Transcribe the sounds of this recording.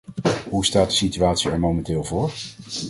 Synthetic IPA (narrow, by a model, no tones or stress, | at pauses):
ɦustaːt̚dəsityaːtsiɛɹmowmɛntɪːlˠvʊːɹ